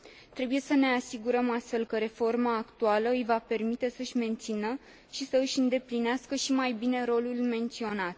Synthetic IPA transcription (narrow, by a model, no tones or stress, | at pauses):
t̪ɾe̞buje̞səne̞asiɡuɾəmast̪fe̞lkəɾe̞fo̞rmaːkt̪ualəɨjvape̞rmit̪e̞səɨʃʲme̞nt̪sinə | ʃisəɨʃʲɨnd̪e̞plineaskəʃimajbine̞ɾo̞lulme̞nt̪sio̞nat̪̚